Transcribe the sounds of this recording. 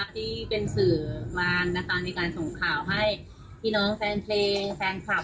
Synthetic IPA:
a˧t̪ʰiː˥˩pe˧nsɯː˨˩waː˧nːa˦˥kʰa˦˥na˧jkaː˧nso˨˩˦ŋkʰaː˨˩wɦa˥˩j | pʰiː˥˩nɔː˨˦˥ŋfɛː˧ŋpʰleː˧ŋfɛː˧ŋkʰa˨˩

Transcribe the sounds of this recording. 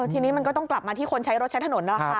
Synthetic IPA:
ɤː˧˩t̪ʰiː˧niː˦˥ma˧nkɔː˥˩t̪ɔ˥˩ŋkla˨˩p̚maː˧t̪ʰiː˥˩o˧nt͡ɕʰa˦˥jɾo˦˥t̪t͡ɕʰa˦˥t̪ʰa˧no˩˦nːa˦˥˩a˦˥

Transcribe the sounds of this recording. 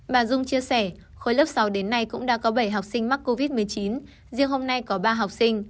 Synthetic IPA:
ɓaː˨˩zʊ˧ŋ͡mt͡ɕi˧əsɛ˧˩ | xo˧˩jləː˦˥p̚sa˨˦wɗe˨˦nːa˧jkʊ̰˧˥ŋ͡mɗa̰ː˧˥kɔ˨˦ɓə˧˩jɦa˨˩wk͡p̚sï˧ŋ̟ma˦˥k̚ko˧vi˦˥t̚mɨ˨˩əjt͡ɕi˨˦n | zi˧əŋɦo˧mna˧jkɔ˨˦ɓaː˧ɦa˨˩wk͡p̚sï˧ŋ̟

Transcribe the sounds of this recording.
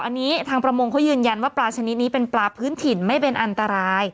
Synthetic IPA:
ʔa˧nːiː˦˥t̪ʰaː˧ŋpɾa˧mo˧ŋkʰa˦˥wjɯː˧nja˧nwaː˥˩plaː˧t͡ɕʰa˧ni˦˥t̪̚niː˦˥pe˧nplaː˧pʰɯː˦˥nt̪ʰi˧˩nma˥˩jpe˧nʔa˧nt̪a˧ɾaː˧j

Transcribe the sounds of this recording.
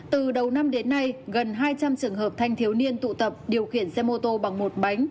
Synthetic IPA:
t̪ɨ˨˩ɗə˨˩wna˧mɗe˨˦nːa˧jɣə˨˩nɦaː˧jt͡ɕa˧mt͡ɕɨ˨˩əŋɦəː˨˩p̚t̪ʰa˧jŋ̟t̪ʰi˨˦əwni˧ənt̪ṵ˧˨t̪ə˨˩p̚ɗi˨˩əwxi˧˩ənsɛ˧mo˧t̪o˧ɓa˨˩ŋmo˨˩t̚ɓa˨˦jŋ̟

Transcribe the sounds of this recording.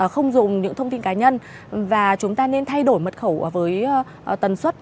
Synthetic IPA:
xə˧wŋ͡mzʊ˨˩ŋ͡mɲɨ̰˧˥ŋt̪ʰə˧wŋ͡mt̪i˧nkaː˨˦ɲə˧n | vaː˨˩t͡ɕʊ˨˦ŋ͡mt̪aː˧ne˧nt̪ʰa˧jɗo˧˩jmə˨˩t̚xə˧˩wvəː˨˦j | t̪ə˨˩nswə˦˥t̚

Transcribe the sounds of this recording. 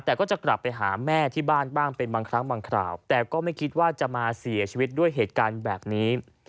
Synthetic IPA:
t̪ɛː˨˩kɔː˥˩t͡ɕa˨˩kla˨˩pːa˧jɦaː˩˦mɛː˥˩t̪ʰiː˥˩baː˥˩nbaː˥˩ŋpe˧nbaː˧ŋkʰɾa˦˥ŋbaː˧ŋkʰɾa̰ː˨˩wt̪ɛː˨˩kɔː˥˩ma˥˩jkʰi˦˥t̪̚waː˥˩t͡ɕa˨˩maː˧si˩˦ɐt͡ɕʰi˧wi˦˥t̪̚du˥˩əjɦeː˨˩t̪̚kaː˧nbɛː˨˩p̚niː˦˥

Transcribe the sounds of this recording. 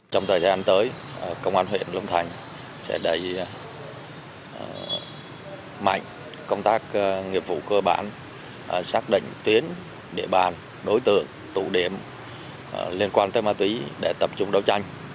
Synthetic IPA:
t͡ɕɔ˧wŋ͡mt̪ʰəː˨˩jtʰa˧ʔa˧˩nt̪əː˨˦j | kə˧wŋ͡mʔaː˧nɦwḭ˧˨ənlə˧wŋ͡mt̪ʰa˨˩jŋ̟ | sɛ̰˧˥ɗə˧˩j | ma̰˧˨jŋ̟ | kə˧wŋ͡mt̪aː˦˥k̚ŋḭ˨˩əp̚vṵ˧˨kəː˧ɓa̰ː˧˨n˨˩ | saː˦˥k̚ɗḭ̈˧˨ŋ̟t̪wi˨˦ən | ɗḛ˧˩ɓaː˨˩n | ɗo˨˦jt̪ɨ̰˧˨əŋ | t̪ṵ˧˨ɗi˧˩əm˧˩ | li˧ənkwaː˧nt̪əː˨˦jmaː˧t̪wi˨˦ɗe˧˩t̪ə˨˧˩p̚t͡ɕʊ˧ŋ͡mɗə˨˦wt͡ɕa˧jŋ̟

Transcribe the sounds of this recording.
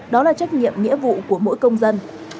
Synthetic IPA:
ɗɔ˨˦laː˨˩t͡ɕa˦˥jk̚ɲḭ˧˨əmŋḭ˧˥əvṵ˧˨ku˧˩əmo̰˧˥jkə˧wŋ͡mzə˧n

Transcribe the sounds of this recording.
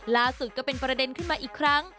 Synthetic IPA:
laː˦˥su˨˩kɔː˥˩pe˧npɾa˧de˧nkʰɯ˥˩nmaː˧ʔiː˨˩kʰɾa˦˥ŋ

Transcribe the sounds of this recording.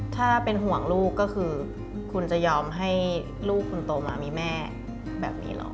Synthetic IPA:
t̪ʰaː˥˩pe˧nɦu˨˩˦əŋluː˥˩kːɔː˥˩kʰɯː˧ | kʰu˧nt͡ɕa˨˩jɔː˧mɦa˥˩j | luː˥˩k̚ʰːu˧nt̪oː˧maː˧miː˧mɛː˥˩ | bɛ̰ː˨˩p̚nḭː˦˥lo̰ː˨˧˦

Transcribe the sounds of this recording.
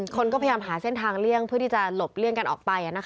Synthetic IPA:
kʰo˧nkɔ˥˩a˧jaː˧mɦaː˩˦se˥˩nt̪ʰaː˧ŋli˥˩əŋpʰɯ˥˩t̪i˥˩t͡ɕa˨˩lo˨˩p̚lɯ˥˩əŋka˧nʔɔː˨˩k̚pa˧jʔa˨˩na˦˥kʰ

